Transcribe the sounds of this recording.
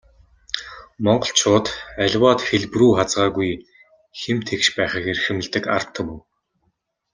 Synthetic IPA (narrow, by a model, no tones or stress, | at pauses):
mɔɴɢɞ̆ɬt͡ɕʰʊːt̪æɮʲwaːt̪xeɮpruːχat͡sʁaːɣuj | xemt̪ʰekʃpæːχiːkeɾxɘ̆mɘ̆ɮt̪ɘ̆ka̰r̥t̪ʰːə̆muw